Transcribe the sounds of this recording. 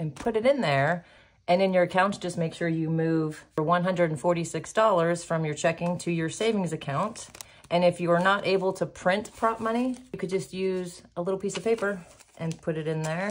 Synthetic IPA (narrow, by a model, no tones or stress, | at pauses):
ɨ̃npʰʊɾɨɾɨ̃nðə˞ | ʔɨ̃nɨ̃njə˞ɨkʰãʊ̃ntd̥ʒ̥ʌst̚meɪkʃʊɹjɨmʉv̥ə˞wʌ̃nɦʌ̃ndɹɨɾn̩fɔɹɾisɪksd̥ɔlˠə˞z̥fɹʌ̃mjə˞t͡ʃʰɛkɪ̃ŋtʰɨjə˞seɪvɪ̃ŋzɨkʰãʊ̃nt | ʔɨ̃nɨfjɨə˞nəɾʔeɪbl̩ˠtʰəpʰɹ̥ɪ̃ntpʰɹ̥ɑp̚mʌñijɨkʰɨd̚d͡ʒʌst̚jʉzəlɪɾl̩ˠpʰisʌv̥pʰeɪpə˞ʔɨ̃npʰʊɾɨɾɨ̃nðə˞